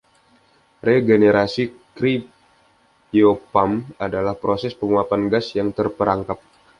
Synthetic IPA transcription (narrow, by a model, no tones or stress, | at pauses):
reɡeneɾʔasikɾip̚ | jopamadalahpɾosɛspəŋuapanɡasjaŋt̪ərpəɾaŋkap̚